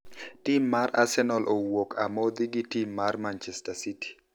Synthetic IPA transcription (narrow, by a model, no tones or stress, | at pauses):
timːaɾasɛnɔlʔɔwɔkʰamɔd̪iɡitimːarmant͡ʃɛstasiti̥